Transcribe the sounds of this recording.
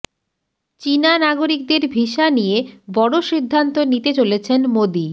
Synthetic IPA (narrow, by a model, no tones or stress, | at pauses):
t͡ɕinanaɡoɾik̚d̪eɾbʱiʃanijebɔɽoʃid̪ʱːant̪onit̪et͡ɕolet͡ɕʰenmod̪i